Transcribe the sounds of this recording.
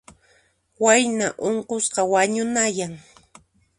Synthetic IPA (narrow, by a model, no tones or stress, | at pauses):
wajnaʔoɴqosqɑwaɲʊnajaŋ